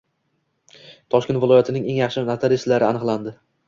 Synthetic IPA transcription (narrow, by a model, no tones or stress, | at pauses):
t̪ʰɒʃkʲent̪vɪlɒjat̪ʰɪnɪŋe̞ŋjɑχʃɪnat̪ʰaɾɪst̪laɾɪanɨqlˠand̪ɪ